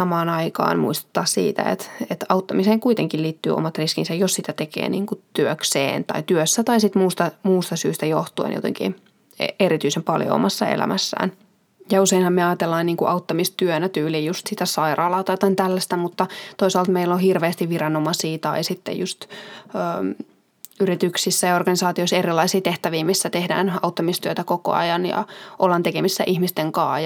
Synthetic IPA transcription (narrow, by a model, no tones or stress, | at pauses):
sɑmɑːnɑikɑ̰ːnmṵist̪e̥t̪ːɑssḭːt̪æ̰ḛt̪et̪ɑut̪ːɑmiseːŋkuit̪eŋkilliːt̪ːy̰ːo̰mɑt̪riskinsæjjossit̪æt̪ekḛːnḭːŋkut̪yøksḛːnt̪ɑ̰it̪yøsːæt̪ɑisit̪muːst̪ɑmuːst̪ɑsyːst̪æjoht̪uḛnjo̰t̪ḛŋkḭ | eɾit̪yisempɑljo̰o̰mɑsːɑ̰ḛlæ̰mʔæsːæ̰ːn | jɑuseinhɑmmeɑjɑt̪elːɑːniːŋkuʔɑut̪ːɑmist̪yønæt̪yːliːjust̪sit̪æsɑirɑːlɑːt̪ɑjt̪ɑint̪ælːæst̪æmut̪ːɑt̪oisɑːlt̪meilːohirʋeːst̪iʋʋirɑnomɑsiːt̪ɑisit̪ːḛjust̪øː | yrit̪yksisːæjɑorɡ̥ɑnisɑːt̪ioiserilːˑɑisiːt̪eht̪æʋiːmisːæt̪ehdæ̰ːnɑ̰ut̪ːɑmist̪yøt̪ækoko̰ɑ̰jɑnjɑ̰ʔolːɑnt̪ekemisːæʔihmist̪eŋkɑːj